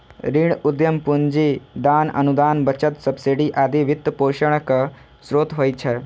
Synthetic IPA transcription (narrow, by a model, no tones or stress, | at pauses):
ɾiɽud̪jəmpuɲd͡ʒid̪aːnɐ̰nud̪aːnbɐt͡ʃət̪sɐbsiɖiʔaːd̪iʋit̪ːpoːʃəɳ̃kɐ | sɾoːt̪ɦoːjt͡ʃʰɛ